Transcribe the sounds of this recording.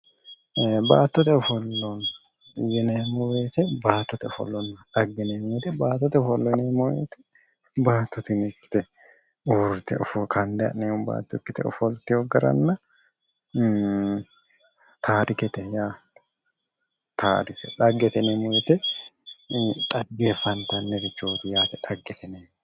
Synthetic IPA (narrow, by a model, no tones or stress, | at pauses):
baːt̪ːɔt̪ɛɔfɔlːɔn | jɛnɛmʊwet̪ɛbaːt̪ːɔt̪ɛɔfɔ̰lːɔnɐᶑɐɡːɛnemɔjt̪ɛbaːt̪ːɔt̪ɛɔfɔlːɔneːmojḛːt̪ɛ̥ | baːt̪ːɔt̪ɪnɪkːɪ̥t̪ɛ | uːɾt̪ɛɔfɔkɐnd̪ɛɐ̰nɛʊmba̰ːt̪ːɔkːɪt̪ɛ̰ɔ̰fɔlt̪ɪhɔɡɐɾɐ̰nːɐ | t̪ʰaːɾɪkɛt̪ɛjḁː | t̪ʰaːɾɪkɛᶑɐɡːɛt̪ɛnɛmɔwɛt̪ɛ | t̪ʼɐɡːeːfɐnt̪ɐnːɛɾɪt͡ʃːoːt̪ɪjaːt̪ɛᶑɐɡːɛt̪ɛneː